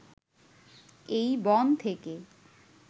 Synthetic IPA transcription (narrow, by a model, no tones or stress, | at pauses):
ejbɔnt̪ʰeke